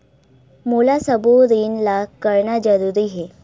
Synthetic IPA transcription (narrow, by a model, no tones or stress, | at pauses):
mulasəbuɾiːnlakkəɾɳad͡ʑəɾuɾiɦe